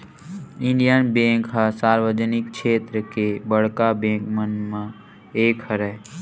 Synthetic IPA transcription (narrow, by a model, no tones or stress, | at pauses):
ɪɳɖijənbẽŋkɦasaːɾʋəd͡ʒənɪkkʃʰeːt̪ɾəkebəɽ̤kabẽːŋkmənmẽ | eːkʰhəɾɛ